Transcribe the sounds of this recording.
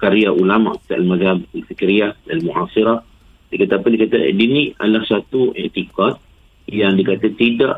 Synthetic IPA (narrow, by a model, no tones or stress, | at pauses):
kaɾiaʔulama̰ʔki̥t̪aʔalmazabalfikɾiadalmuʔasiɾah | dikat̪apədikat̪adinia̰dlahsat̪uʔiʔt̪ikat̪̚ | jaŋdikat̪at̪ida̰ʔ